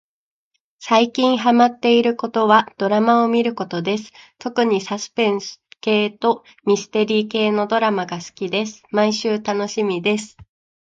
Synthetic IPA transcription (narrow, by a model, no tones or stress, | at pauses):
saikʲĩɰ̃ɦamat̪ːe̞iɾɯ̟ko̞t̪o̞βad̪̥o̞ɾamao̞mʲiɾɯ̟ko̞t̪o̞d̪e̞sɨ̥t̪o̞kɯ̟ɲ̟isasɨ̥pẽ̞ɰ̃sɨ̥ke̞ːt̪o̞ | mʲisɨ̥t̪e̞ɾʲiːke̞ːno̞d̪o̞ɾamaɡasɨ̥kʲid̪e̞sɨ̥maiɕɨːt̪ano̞ɕimʲid̪e̞sɨ̥